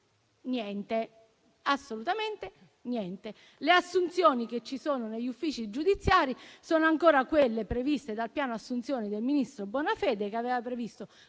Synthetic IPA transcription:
njɛnt̪e | asːolut̪ament̪e | njɛnt̪e | leasːunt̪sjoːnik̟et͡ʃːisoːnoneʎːufːiːt͡ʃid͡ʒud̪it̪sːjaːɾisoːnoaŋkoːɾakwelːepɾevist̪ed̪alpjaːnoasːunt̪sjoːnid̪elminist̪ɾobwɔːnafɛːd̪ekeaveːvapɾevist̪o

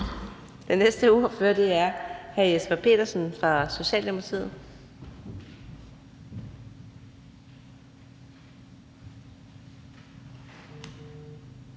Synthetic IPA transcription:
d̥enːesd̥əuːføɐ̰d̥eæɐhæjesb̥æpʰe̝̰ːd̥ɐsn̩fʁɑ̈so̝ɕɛ̰ːld̥emosʰʁḭːð̩ˠ

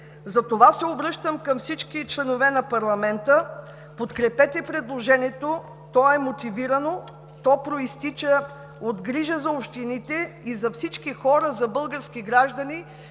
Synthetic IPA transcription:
zɐt̪ovasɛobɾɤʃt̪əmkɐmfsit͡ʃkit͡ʃlɛnovɛnɐpɐɾlˠɐmɛnt̪ə | pot̪kɾɛpɛt̪ɛpɾɛd̪lˠoʒɛniɛt̪o | t̪ɔɛmot̪iviɾɐno | t̪ɔpɾoist̪it͡ʃə | od̪ɡɾiʒəzɐopʃt̪init̪ɛizɐfsit͡ʃkixɔɾəzɐbɤlˠɡəɾskiɡɾaʒd̪ɐni

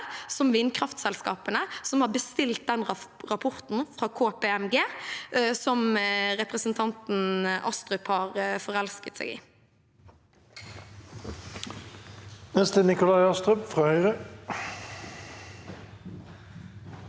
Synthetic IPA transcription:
sɔmʋɪnkʰʁɑft̪sɛlskɑːpənəsɔmhɑːɾbəst̪ɪlt̪̚d̪ɛnʁɑpʰɔɾt̪n̩fʁɑːkʰoːpʰeːɛmɡeː | sɔmɾɛpʁəsənt̪ʰɑnt̪n̩ʔɑst̪ʁʉphɑːʁfɔʁɛlskət̪sɛ̰ːɡḭː | nɛst̪ənɪkʊlɑɪɑst̪ʁœpfʁɑːhœʏʁə

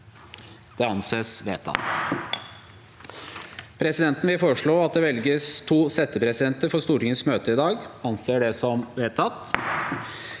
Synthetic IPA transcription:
d̪̥ɛɑnseːsʋḛːt̪ʰɑ̰t̪ | pʰɾɛsɪd̪ɛnt̪n̩ʋɪlfoːəʂɭoːɑt̪̚d̪ɛʋɛlɡəst̪ʰuːsɛt̪ːəpʰɾɛsɪd̪ɛnt̪əɾfɔʂst̪uːɾʈɪŋənsmøːt̪əɪd̪ɑːɡɑnseːɖɛsɔmʋeːt̪ʰːɑt̪

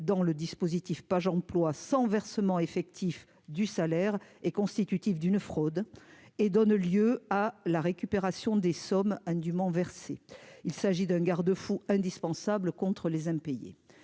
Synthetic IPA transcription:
d̪ɑ̃ləd̪ispozit̪ifpaʒɑ̃plwasɑ̃vɛʁsəmɑ̃efɛk̚t̪ʰif | d̪ysalɛʁekɔ̃st̪it̪yt̪ifd̪ynfχod̪ed̪ɔnljøalaʁekʲypeʁasjɔ̃d̪esɔmɛ̃d̪ymɑ̃vɛʁsḛilsaʒid̪ɛ̃ɡaʁd̪əfuɛ̃d̪ispɑ̃sabləkɔ̃t̪χəlezɛ̃pejḛ

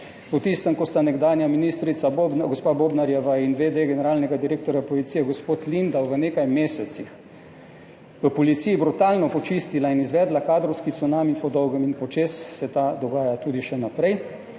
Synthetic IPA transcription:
pɔt̪ist̪əmkɔst̪anɛɡd̪aːnjaminist̪ɾit̪saɡospaːboːbnaɾjɛʋainʋed̪eɡɛnɛɾaːlnɛɡad̪iɾeːk̚t̪ɔɾjapoɔlit̪sijɛɡospoːt̪lind̪awʋəneːkajmeːsɛt̪six | ʋəpɔlit̪sijibɾut̪aːlnɔpɔt͡ʃist̪ilainizʋɛːd̪lakaːd̪ɾɔwskisɔnaːmipɔd̪ɔwɡəminpɔt͡ʃeːsːɛt̪ad̪ɔɡaːjat̪uːd̪iʃɛnapɾɛj

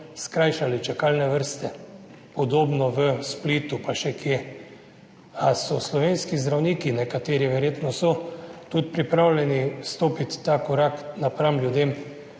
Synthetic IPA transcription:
skɾajʃalit͡ʃɛkaːlnɛʋəɾst̪ɛ | pɔd̪oːbnɔʋəspliːt̪upaʃɛkje | asɔslɔʋeːnskizd̪ɾawniːkinɛkat̪eːɾiʋɛɾjeːt̪nɔsɔt̪ut̪̚pɾipɾawlʲɛnist̪oːpit̪ːakɔɾaknapɾamljud̪em

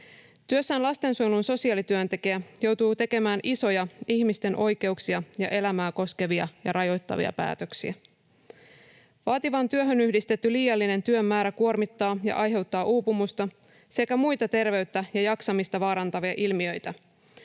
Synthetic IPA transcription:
t̪yøsːæːnlɑst̪e̞nsulunso̞siɑːlit̪yønt̪e̞k̟iæjo̞wt̪uːt̪e̞ke̞mæːnʔiso̞jɑiçmist̪e̞nʔo̞jke̞uksiɑjɑʔe̞læmæːko̞ske̞ʋiɑjɑ̰ɾɑjo̞jt̪ːɑ̰ʋḭɑ̰pæ̰ːt̪ø̞ksḭæ | ʋɑːt̪iʋɑnt̪yøɦønyhdist̪e̞t̪ːyliːjɑlːine̞nt̪yømːæːɾækuo̞rmit̪ːɑːjɑ̰ʔɑjɦe̞wt̪ːɑːʔuːpumust̪ɑ | se̞kæmujt̪ɑt̪e̞rʋe̞ɥt̪ːæjɑjɑksɑmist̪ɑʋɑːɾɑnt̪ɑʋiɑʔilmiø̞jt̪æ

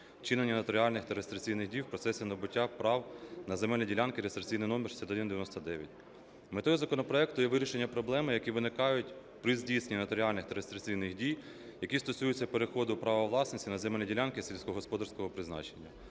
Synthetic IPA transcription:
t͡ʃɪnenʲːɐnɐt̪ɔɾʲiɑlʲnɪxt̪ɐɾest̪ɾʲɪt͡sʲijnɪxdʲijwpɾɔt̪sɛsʲinɔbʊtʲːapɾɑwnɐzemɛlʲnʲɐdʲilʲɑnkɪɾest̪ɾɪt͡sʲijnɪjnɔmersʲɐt̪ɔd̪ɪnd̪eʋʲjnɔst̪ɐd̪ɛʋʲjɐtʲ | met̪ɔjizɐkɔnɔpɾɔɛkt̪ʊjɛʋɪɾʲiʃe̞nʲːɐpɾɔblˠɛmɪjɐkʲiʋɪnɪkɑjʊtʲ | pɾɪzʲdʲijsenʲinɐt̪ɔɾʲiɑlʲnɪxt̪ɐɾest̪ɾʲɪt͡sʲijnɪxdʲij | jɐkʲist̪ɔsʲujʊt͡sʲːɐpe̞ɾexɔd̪ʊpɾɑʋɐʋlˠɑsnɪsʲtʲinɐzɛmɛlʲnʲɐdʲilʲɑnkɪsʲilʲsʲkɔɦɔspɔd̪ɐɾsʲkɔɦɔpɾɪznɑ̰t͡ʃenʲːɐ

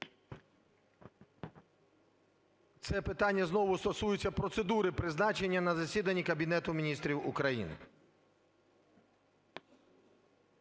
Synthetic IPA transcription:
t̪sɛpɪt̪ɑnʲːɐznɔʋʊst̪ɔsujʊt͡sʲːɐpɾɔt̪se̞d̪uɾɪpɾɪznɑt͡ʃe̞nʲːɐnɐzɐsʲid̪ɐnʲːikɐbʲinɛt̪ʊmʲinʲist̪ɾʲiwʊkɾɐjḭnɪ̰

